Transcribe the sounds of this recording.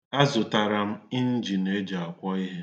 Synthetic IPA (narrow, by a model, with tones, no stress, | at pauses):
a˦zʊ˨ta˨ɾa˨m̩˦ɪ˦n̩˦d͡ʒi˨ne˦d͡ʒa˨a˨kʷɔ˦i˦ɦe˦